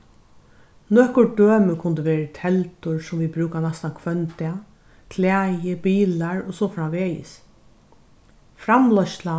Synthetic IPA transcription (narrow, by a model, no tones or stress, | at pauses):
nɔhkʊɹɖøːməkʰʊnt̪ɪʋeːɾət̪ʰɛlt̪ʊɹsʊmʋibɾʉːkanast̪ankʰʋœnt̪ɪa | kʰlæːjɪbiːlaɹɔsɔːfɾaʋeːjɪ̰s | fɾamlɔʃla